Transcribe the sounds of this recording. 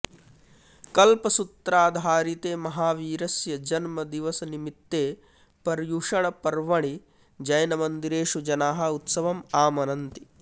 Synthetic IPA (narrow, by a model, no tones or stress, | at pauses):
kɐlpɐsut̪ɾaːd̪ʱaːɾit̪eːmɐɦaːʋiːɾɐsjɐd͡ʒɐnmɐd̪iʋɐsɐnimit̪ːeː | pɐɾjuʂɐɳɐpɐɾʋɐɳ̃i | d͡ʒɐjɐnɐmɐnd̪iɾeːʂud͡ʒɐnaːɦɐ̆ut̪sɐʋɐmaːmɐnɐnt̪i